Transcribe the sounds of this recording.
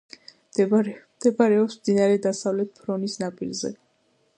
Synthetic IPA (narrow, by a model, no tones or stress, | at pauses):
md̪ɛbaɾɛɔpsmd̪inaɾɛd̪asavlɛt̪̚pʰɾɔnisnapʼḭlzɛ̰